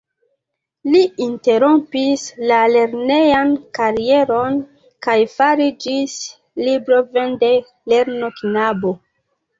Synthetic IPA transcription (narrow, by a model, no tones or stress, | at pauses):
liinte̞ɾompislale̞ɾne̞jankaɾie̞ɾo̞n | kajfaɾid͡ʒis | libɾovende | leɾnoknabo